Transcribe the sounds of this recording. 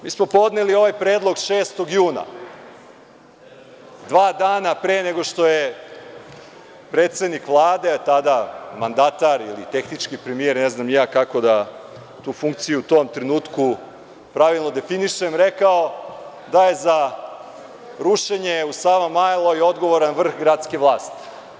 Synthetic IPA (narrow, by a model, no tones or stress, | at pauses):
miːsmo̞po̞d̪ne̞lio̞ʋajpɾeːd̪lˠo̞ɡʃeːst̪o̞ɡjuːna̰ | d̪ʋaːd̪aːnapɾeːneɡo̞ʃt̪oje | pɾeːt̪se̞d̪nikʋlˠaːd̪e̞t̪ad̪amand̪at̪aɾḭlḭt̪e̞xnit͡ʃkipɾemije̞ɾneznamjaːkako̞d̪a | t̪uːfuŋk̚t̪sijuut̪o̞mt̪ɾenuːt̪ku | pɾaʋilˠno̞d̪e̞finiʃemɾekao̞ | d̪ajeza | ɾuʃeɲeusaʋamajlˠoio̞d̪ɡo̞ʋoɾanʋr̩xɡɾat̪ske̞ʋlˠaːst̪i̥